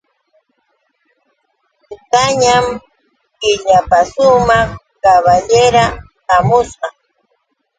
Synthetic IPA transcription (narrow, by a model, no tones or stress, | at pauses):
ʊt̪aɲam | kɪʎapasʊmɑχ | kaβaʎeɾat̪amʊsqɑ